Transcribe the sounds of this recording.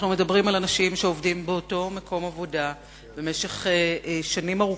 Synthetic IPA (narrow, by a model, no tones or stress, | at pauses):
χnume̞dɐbʁimalanaʃimʃeo̞vdimbeoto̞mako̞mavo̞da | be̞me̞ʃeχeʃanimaʁu